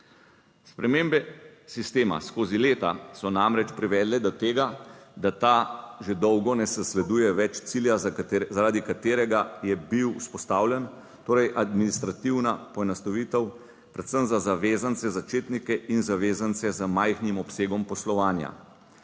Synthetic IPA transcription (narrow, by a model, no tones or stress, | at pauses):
spɾɛmembɛsist̪eːma̰skoːzileːt̪asɔnamɾɛt͡ʃpɾiʋɛːd̪lɛd̪ɔt̪eːɡad̪at̪aʒed̪ɔwɡɔnɛsɛslɛd̪uːjɛʋɛt͡ʃt̪siljazaɾaːd̪ikat̪eːɾɛɡajɛbiwuspɔst̪aːwlʲjɛn | t̪oːɾɛjʔad̪minist̪ɾat̪iwnapɔɛnɔst̪ɔʋiːt̪ɛw | pɾɛt̪səmzazaʋeːzant̪sɛzat͡ʃeːt̪nikɛʔinzaʋeːzant̪sɛzəmajxnimɔpseːɡɔmpɔslɔʋaːnja̰